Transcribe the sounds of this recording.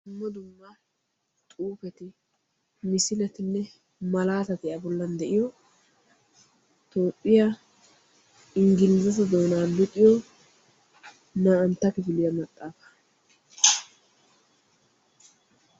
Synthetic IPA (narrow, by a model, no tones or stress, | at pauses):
mːɔd̪ʊmːa | t̪ʼuːpɛt̪ɪ | mɪsɪlɛt̪ɪnːɛ | mɐlaːt̪ɐt̪ɪjabɔlːɐnd̪ɛʔɪjɔ | t̪oːpʼːɪja | ɪŋɡɪnzɐs̬ɐd̪o̞ːnaːlʊt̪ʼːɪjɔ | naːʔɐnt̪ːɐkɪfɪlɪjɐmɐt̪ʼːaːfɐ̥